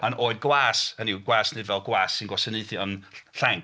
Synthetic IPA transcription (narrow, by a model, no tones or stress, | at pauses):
manoːɨd̚ɡwaːsəniwɡwaːsnɨdvɛlˠɡwaːsːɪnɡwasənɨɨθiɔnɬɛŋ